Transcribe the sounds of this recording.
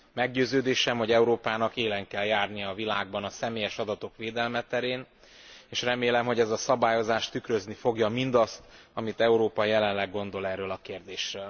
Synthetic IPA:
mɛɡɟøːzøːd̪eːʃɛmho̞ɟɛuɾoːpaːnɒkeːlɛŋkɛljaːrnijɒːvilaːɡ̚bɒnɒsɛmeːjɛʃɒd̪ɒt̪o̞kʋeːd̪ɛlmɛt̪ɛɾeːn | eːʃrɛmeːlɛmɦo̞ɟɛzɒsɒbaːjo̞zaːʃt̪ykrø̞znifo̞ɡjɒmind̪ɒst̪ɒmit̪ɛuɾoːpɒjɛlɛnlɛɡːo̞nd̪o̞lɛrːøːlɒkeːrd̪eːʃrøːl

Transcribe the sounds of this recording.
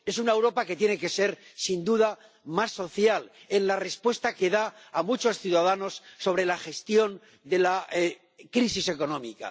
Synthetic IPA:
e̞sunaewɾo̞pake̞t̪je̞ne̞ke̞se̞ɾsind̪uða | masːo̞θjale̞nlare̞spwe̞st̪ake̞ðaːmut͡ʃo̞sθjuðaðano̞sːo̞β̞ɾe̞laxe̞st̪jo̞n | d̪e̞la | kɾisise̞ko̞nõ̞mika̰

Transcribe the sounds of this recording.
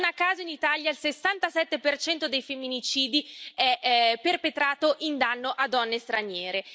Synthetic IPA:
nakːaːzainit̪aljailsesːant̪asɛt̪ːepert͡ʃɛnt̪od̪ejfemːinit͡ʃiːd̪iɛpːerpet̪ɾaːt̪oʔind̪anːoʔad̪ːɔnːest̪ɾanjɛːɾe

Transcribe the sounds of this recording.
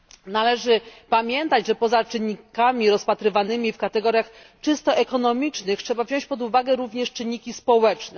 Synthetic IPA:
nalɛʐɘpamʲjɛnt̪ad͡ʑʐɛpɔzat͡ʂɘnːikamʲiɾɔspat̪ɾɘvanɘmʲifkat̪ɛɡɔɾʲjax | t͡ʂɘst̪ɔʔɛkɔnɔmʲit͡ʂnɘxtʂɛbavʑɔ̃ɕt͡ɕpɔd̪uvaɡɛɾuvɲɛʂt͡ʂɘnːikʲispɔwɛt͡ʂnɛ

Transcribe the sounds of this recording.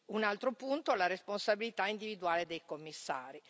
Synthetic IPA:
unalt̪ɾopunt̪olaɾesponsabilit̪aind̪ivid̪uaːled̪ejkomːisːa̰ːɾi

